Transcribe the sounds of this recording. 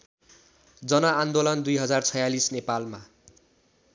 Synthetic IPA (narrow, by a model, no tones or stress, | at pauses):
d͡zʌnʌand̪olʌnd̪ujɦʌd͡zart͡sʰʌjalisnepalma